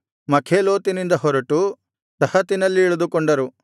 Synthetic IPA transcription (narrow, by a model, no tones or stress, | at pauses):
mɐkʰeːloːt̪inind̪ɐɦɔɾɐʈu | sɐhɐt̪inɐlːiːɭud̪ukɔɳɖɐɾu